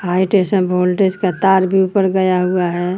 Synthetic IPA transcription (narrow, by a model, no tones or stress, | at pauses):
ɦaːiʈeːʃənbʱoːlʈed͡ʒkat̪aːɾbʱiʊpəɾɡəjaɦʊaɦɛ